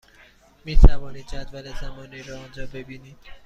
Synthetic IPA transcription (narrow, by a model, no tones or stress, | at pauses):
miːt̪ʰævɒːniːd̪d͡ʒæd̪vælezæmɒːniːɾɒːond͡ʒɒːbe̞biːniːm̥